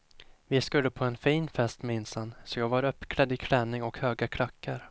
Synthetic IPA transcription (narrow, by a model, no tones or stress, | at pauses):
vɪskɵlːəpʰɔɛnfiːnfɛst̪mɛɪnsansɔjɑːɡvaɾœpːkʰlɛd̪ɪkʰlɛnːɪŋɔkhøːɡakʰlakʰːaɾ